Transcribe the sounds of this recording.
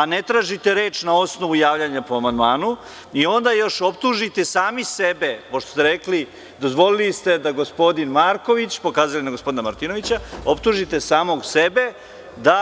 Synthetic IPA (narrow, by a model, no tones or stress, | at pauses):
anet̪ɾaːʒit̪eɾeːt͡ʃnao̞sno̞ʋujaːʋʎaɲapo̞amand̪maːnu | io̞nd̪ajo̞ʃo̞pt̪uʒit̪e̞saːmisebe̞poʃt̪ost̪eɾekli | d̪o̞zʋo̞lilist̪e̞d̪aɡo̞spo̞d̪inmaːɾko̞ʋit͡ɕpo̞kaːzalinaɡospod̪inamaɾt̪ino̞ʋit͡ɕao̞pt̪uʒit̪e̞saːmo̞ɡsebe̞ | d̪a